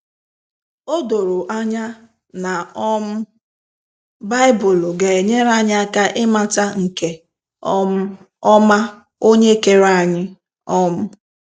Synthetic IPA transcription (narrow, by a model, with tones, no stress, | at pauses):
o˦do˨ɾʊ˨ʔa˦ɲa˦ | na˨ɔ˦m̩˦ | ba˦ɪ˦bʊ˨lɡe˨ɲe˦ɾa˦ɲɪ˦a˦ka˦ʔɪ˦ma˨ta˦ŋ̩˨ke˨ | ɔ˦ | ɔ˦ma˦ | o˦ɲe˦ke˨ɾa˦˨a˨ɲɪ˦ | ɔ˦mʊ˦